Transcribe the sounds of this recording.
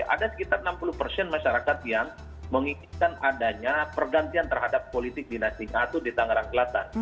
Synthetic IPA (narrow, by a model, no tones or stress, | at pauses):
ʔa̰dasə̥kit̪arnampuluhpərsɛnmaʃaɾakat̪̚jaŋ | məŋiŋɪt̪̚kanadaɲapərɡant̪iant̪ərɦadapːolit̪ɪk̚dinasɪɲaat̪udit̪aŋəɾaŋkəlat̪a̰n